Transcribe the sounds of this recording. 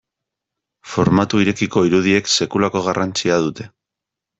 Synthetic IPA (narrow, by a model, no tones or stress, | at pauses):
fo̞ɾmat̪uiɾe̞kiko̞iɾuð̞ie̞kse̞kulako̞ɣ̞arʔant͡siaðut̪e̞̥